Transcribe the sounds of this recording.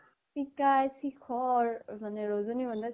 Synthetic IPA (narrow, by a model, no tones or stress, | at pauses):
pikajsikʰɔɹmanɛɹozoniɡɔnda